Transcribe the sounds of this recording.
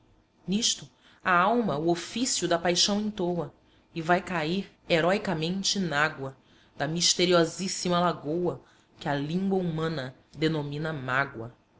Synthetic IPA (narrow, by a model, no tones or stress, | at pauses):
niʃt̪ʊ | aawmɐʊofisjʊd̪ɐpajʃɐ̃w̃ẽt̪owɐ | ɪvajkaiɾ | eɾɔikɐmẽnt͡ʃɪnaɡwɐ | d̪̥ɐmiʃt̪eɾiɔzisimɐlaɡowɐ | kɪɐlĩŋɡwɐumɐ̃nɐ | d̪enomĩnɐmaɡwɐ̰